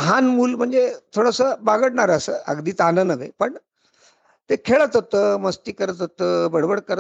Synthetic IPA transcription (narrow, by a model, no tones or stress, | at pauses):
ɦanmuːlm̤əɳd͡zet̪ʰoɽəsəbaɡəɽɳaɾəsəːə̰ɡd̪iːt̪anənəʋḛpəɳ | t̪ekʰeɭət̪ɦot̪əməst̪iːkəɾət̪ɦot̪əbəɽʋəɽkəɾə